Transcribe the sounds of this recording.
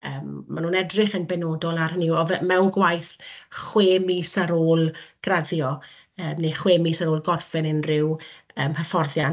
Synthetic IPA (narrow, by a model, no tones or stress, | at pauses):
əːmmːanuːnɛdrɪχənbɛnoːdɔlˠarəniwɔvɛmɛwnɡwajθχweːmiːsaɾoːlˠɡ̥raðjɔ | əːmneχweːmiːsaɾoːlˠɡɔrfɪnənrɪwəːmhəfɔrðjan